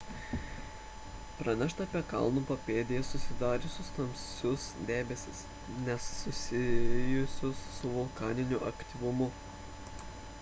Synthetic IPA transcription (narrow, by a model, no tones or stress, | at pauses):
pɾɐnʲɛʃt̪ɐːpʲiɛkɐ̰lˠnupɐpʲeːd̪ʲɪjɛsʊsʲɪd̪ɑːɾʲeːsʊst̪ɐmʲsʲʊsd̪ʲeːbʲɛsʲɪs | nʲɛsːʊsʲɪjʊsʲʊsːʊʋʊlˠkɑːnʲɪnʲʊʔɐkʲt̪ʲɪʋʊmʊ